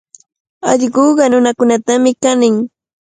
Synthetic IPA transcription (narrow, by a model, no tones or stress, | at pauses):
ɑʎɢoːɢɑnʊnakʊnat̪amɪkanɪŋ